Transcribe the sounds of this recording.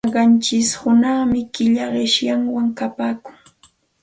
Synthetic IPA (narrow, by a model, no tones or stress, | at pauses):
ɢɑnt͡ʃɪshʊnɑχmɪkɪʎaɢɪʃjaŋwaŋkapaːkʊŋ